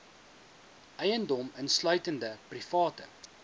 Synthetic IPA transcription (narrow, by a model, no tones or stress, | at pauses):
ʔɛjəndɔmənslœɥtəndəprifɑːtə